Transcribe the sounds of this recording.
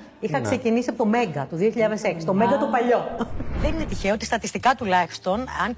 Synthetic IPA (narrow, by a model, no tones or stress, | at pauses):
ixɐkse̞cinisiɐpot̪o̞me̞ŋɡɐt̪uðio̞çiʎɐðe̞se̞ksi̥t̪o̞meŋɡɐt̪upɐʎo̞ðeninet̪içeoot̪ist̪ɐt̪ist̪ikɐt̪ulɐçi̥st̪o̞nɐn